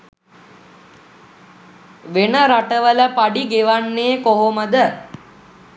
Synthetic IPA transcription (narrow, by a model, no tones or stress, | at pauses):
ʋenəɾaʈəʋələpaɖiɡeʋanːeːkoɦoməd̪ə